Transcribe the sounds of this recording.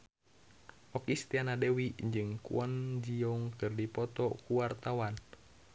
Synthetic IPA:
ʔɔkist̪ianadewiɲd͡ʒɨŋkṵɔnd͡ʒiɔŋkɨrdipɔt̪ɔkuwart̪awan

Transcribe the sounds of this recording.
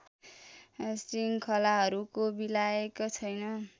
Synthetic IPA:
sriŋkʰʌlaɦʌɾukobilaekot͡sʰʌjnʌ

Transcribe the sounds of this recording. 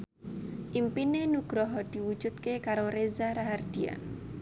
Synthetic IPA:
ʔimpinenuɡ̥ɾɔɦɔd̪̥i̤wud̥ʒ̥ut̪̚kekaɾoɾezaɾaɦard̪̥ia̰n

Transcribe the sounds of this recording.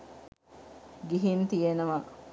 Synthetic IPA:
ɡiɦimt̪ijenəʋɐ

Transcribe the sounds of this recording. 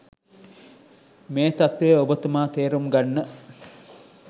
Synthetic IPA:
meːt̪at̪ʋejəobət̪əmaːt̪eːɾumɡanːə

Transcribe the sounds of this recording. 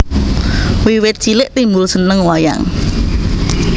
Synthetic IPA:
wiwɪt̪̚t͡ʃilɪʔt̪imbʊlsənəŋwaja̰ŋ

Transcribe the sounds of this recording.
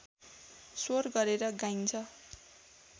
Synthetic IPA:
sorɡʌɾeɾʌɡajnt͡sʰʌ

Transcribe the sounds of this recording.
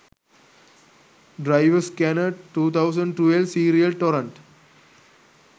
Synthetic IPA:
ɖɾaɪʋəskɛnəʈʈːuːt̪ʰaʊsə̃ɳɖ̚ʈelsiːɾiəlʈɔːɾə̃ɳʈ

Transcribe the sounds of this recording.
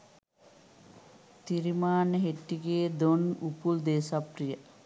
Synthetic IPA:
t̪iɾimaːnəɦeʈːiɡeːd̪onupuld̪eːsaprijə

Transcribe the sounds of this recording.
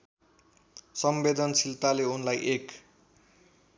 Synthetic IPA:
sʌmbed̪ʌnsilt̪aleunlajʔek

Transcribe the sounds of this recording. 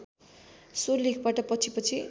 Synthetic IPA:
sorlikʰbaʈʌpʌt͡sʰipʌt͡sʰi

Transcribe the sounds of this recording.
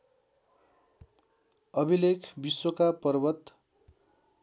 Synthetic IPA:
ʌbʱilekʰbiswokapʌrbʌt̪

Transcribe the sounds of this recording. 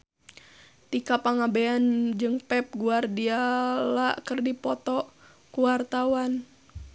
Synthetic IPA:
t̪ikapaŋabeand͡ʒɨŋpɛp̚ɡuardialakɨrdipɔt̪ɔ | kuwart̪awan

